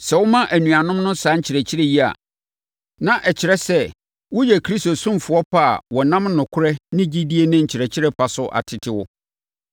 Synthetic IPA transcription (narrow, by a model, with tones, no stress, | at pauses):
sɛ˨wʊ˦mã˦ʔæ˨nũ˨a˨nʊ̃˦mnʊ̃˦sãː˦ɲ̩˦t͡ɕʰɪ˨ɾɛ˨t͡ɕʰɪ˦ɾɛ˦ji˦a̰˨ | nã˦˨ʔɛ˨t͡ɕʰɪ˨ɾɛ˦sɛ˦ | wʊ˦jɛ˨kʰɾi˦sto˨sʊ̃˦mfʊ˨˦ɔ˦pʰa̰˦˨wɔ˨nã˦m˦nʊ̃˨kʰʊ˦ɾɛ˦nɪ̃˦d͡ʑi˦di˦e˦nɪ̃˦ɲ̩˨t͡ɕʰɪ˨ɾɛ˨t͡ɕʰɪ˦ɾɛ˦pʰa˨sʊ˦ʔa̰˨tʰɪ˨tʰɪ˦wʊ˦